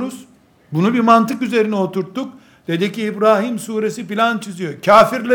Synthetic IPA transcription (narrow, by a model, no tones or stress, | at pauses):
ɾuz̥ | bunubiɾmant̪ɯkyze̞ɾinio̞t̪ʰuɾt̪ːuk̚ | d̪̥e̞d̪iciːbɾaːɦimsuːɾe̞s̬ipilʲant͡ʃʰizijo̞cʰaːfiɾlʲe